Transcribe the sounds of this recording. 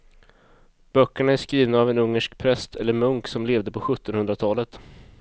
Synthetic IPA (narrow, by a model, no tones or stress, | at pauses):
b̥œkːəɳaæʂkɾiːvnaːvɛnɵŋːəʂkpʰɾɛst̪ʰɛlːəɾmɵŋksɔmleːvd̪əpʰɔɧɵt̪ːɔnhɵnd̪ɾat̪ʰɑːlət̪